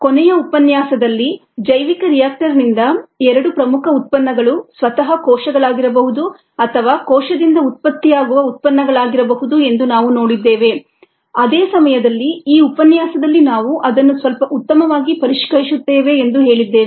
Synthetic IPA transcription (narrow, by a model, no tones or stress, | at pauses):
konɛjɐupɐnjaːsɐd̪ɐlːi | d͡ʒɐjʋikɐɾijaːk̚ʈɐɾnind̪ɐɛɾɐɽupɾɐmukʰɐut̪̚pɐnːɐɡɐɭusʋɐt̪ɐɦɐkɔːʃɐɡɐɭaːɡiɾɐbɐɦud̪u | ɐt̪ʰɐʋaːkɔːʃɐd̪ind̪ɐut̪̚pɐt̪ːijaːɡuʋɐut̪̚pɐnːɐɡɐɭaːɡiɾɐbɐɦud̪ue̞nd̪unaːʋuno̞ːɽid̪ːeːʋe̞ | ɐd̪eːsɐmɐjɐd̪ɐlːiiːupɐnjaːsɐd̪ɐlːinaːʋuʔɐd̪ɐnːusʋɐlpɐʔut̪ːɐmɐʋaːɡipɐɾiʂkɐɾisut̪ːeːʋe̞ːnd̪uɦe̞ːɭid̪ːeː